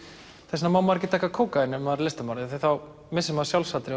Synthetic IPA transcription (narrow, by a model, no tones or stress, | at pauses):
θɛsnamaːwmaɾcɪt̪akːakʰoːwkaɪnːʏvaɾlɪst̪amaɾðɪθejθaw | mɪsɪmasjawlsat̪ɾɪ